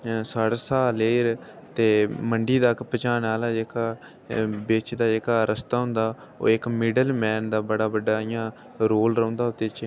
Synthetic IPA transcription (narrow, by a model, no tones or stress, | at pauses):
saːɽsaːleːɾ | t̪eːməɳɖiːd̪aːkpət͡ʃaːnaːlaːd͡ʒeːkaː | bɪːt͡ʃd̪aːd͡ʒeːkaːɾʔəst̪aːɦʊ̃nd̪aː | o̰ːɪkmɪɖəlmɛːnd̪aːbəɽaːbəɖːaːɪjãː | ɾoːlɾɔ̃ːnd̪aːɦʊt̪eːt͡ʃ